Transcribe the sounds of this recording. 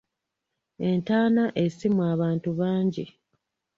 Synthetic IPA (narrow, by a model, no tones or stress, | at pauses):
e̞ntaːnaʔe̞simwaːβaːntuβaːɲɟi